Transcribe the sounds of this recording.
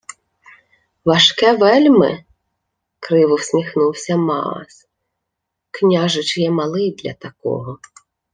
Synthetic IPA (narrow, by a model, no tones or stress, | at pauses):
ʋɐʃkɛʋɛlʲmɪ̰ | kɾɪʋʊwsʲmʲixnuwsʲɐmɑ̰ɑ̰s | knʲaʒɪt͡ʃjɛmɑlˠɪjd̪lʲɐ̰t̪ɐkɔ̰ɦɔ